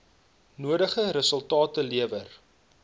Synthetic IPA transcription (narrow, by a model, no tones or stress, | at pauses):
nuədəχəɾəsəlˠtɑːtəliəvər